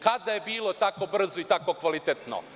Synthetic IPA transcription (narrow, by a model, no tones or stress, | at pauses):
kad̪ajebiːlot̪ako̞br̩zoit̪ako̞kʋalit̪et̪no̰